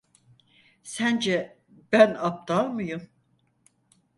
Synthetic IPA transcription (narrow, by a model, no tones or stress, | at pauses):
sænd͡ʒɛ | b̥ænap̚t̪ʰamɯjum